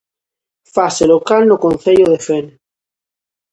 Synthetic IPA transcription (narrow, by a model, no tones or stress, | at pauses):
faselokalnokon̟θeʎoðefen